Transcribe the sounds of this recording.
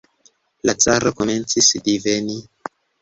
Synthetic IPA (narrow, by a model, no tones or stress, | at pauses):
lat͡saɾokoment͡sisdiveni